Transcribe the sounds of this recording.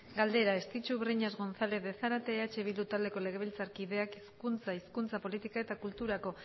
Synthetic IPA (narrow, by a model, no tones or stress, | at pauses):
ɡald̪e̞ɾaest̪it͡ʃuβriɲazɣo̞nθale̞θðesaɾat̪e̞ːat͡ʃe̞βild̪ut̪ald̪e̞ko̞le̞ɣe̞β̞ilt͡saɾkiðe̞akiskunt͡saiskunt͡sapo̞lit̪ikae̞t̪akult̪uɾako̞